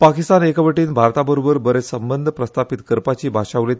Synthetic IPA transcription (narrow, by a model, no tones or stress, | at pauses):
pakist̪anekəʋəʈiːnbʱaɾt̪abəɾobəɾbəɾesəmbənd̪ʱəpɾəst̪apit̪kəɾpat͡ɕiːbʱaʂaʋle